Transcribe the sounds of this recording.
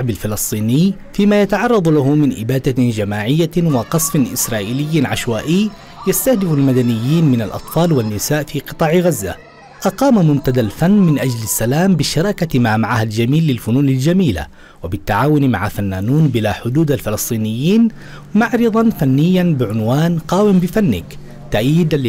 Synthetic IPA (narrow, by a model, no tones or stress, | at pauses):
ʕbalfɪlɨsˤt̪ˤiːnɪj | fiːmaːjat̪aʕɑrˤːɑd̪ˤlahʊmɪnʔɪbaːd̪ad͡ʒamaːʕɪjːawɑqɑsˤfɪnʔɪsɾˤɑːʔlɪjːɪnʕaʃwaːʔɪj | jast̪ahd̪ɪfalmad̪anɪjːiːnmɪnalʔɑ̰t̪ˤfɑːlwanːɪsaːʔfiːqɨt̪ˤɑːʕɣazːa̰ | ʔɑqɑːmamʊmt̪ad̪alfanːmɪnʔad͡ʒlasːalaːmbɪʃɑɾˤɑːkamaːmaʕahald͡ʒamiːlːɪlfʊnuːnald͡ʒamiːla̰ | wabɪt̪ːaʕaːwʊnma̰ʕafanːaːnuːnbɪlaːħʊd̪uːd̪alfɪlɨsˤt̪ˤiːnɪjːiːn | maʕɾɨðˤɑnfanːɪjːanbɪʕʊnwaːnqɑːwɪmbɪfanːɪk | t̪aʔajːɪd̪a